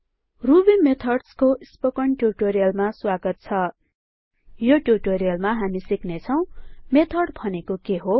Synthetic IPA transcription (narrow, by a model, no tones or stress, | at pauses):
rubimet̪ʰʌrɖskoispokʌɳʈuʈoɾijʌlmaswaɡʌt̪̚t͡sʰʌ | joʈuʈoɾijʌlmaɦamisiknet͡sʰʌw̃met̪ʰʌrɽbʱʌnekokeɦo